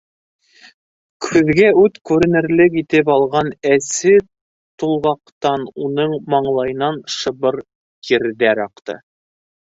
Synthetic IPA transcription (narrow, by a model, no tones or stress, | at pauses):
kʰʉðɡæʉt̪kʉɾɘ̆nɘ̆ɾlɘkit̪ɘpɑlˠʁɑnæsɘ | t̪ulˠʁɑqt̪ɑnunɤɴmɑɴlˠɑjnɑnʃɤ̆βɤɾ | kʰiɾðæɾɑqt̪ɤ̰